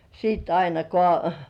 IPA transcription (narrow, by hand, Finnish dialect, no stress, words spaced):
siːt ɑinɑkoɑˑ